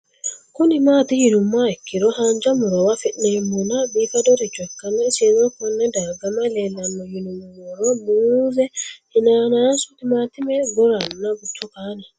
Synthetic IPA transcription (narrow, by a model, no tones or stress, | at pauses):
kunimaːt̪ijinumːaɛkːiɾɔhaɲd͡ʒamuɾɔwafinɛmunabifadɔɾit͡ʃwɛkːanɛsezɔkɔnːɛdaɡamalɛlanːɔjinummuɾɔbuzɛinanasut̪imaːt̪imɛɡɔɾanːaɡut͡ʃːɔkana